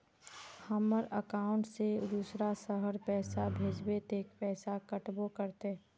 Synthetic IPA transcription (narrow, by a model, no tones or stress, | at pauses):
həməɾəkaːʊ̃ɳʈsed̪uːsɾasəɦəɾpɛːsabʱeːd͡ʒbet̪eːkpɛːsakəʈbokəɾt̪e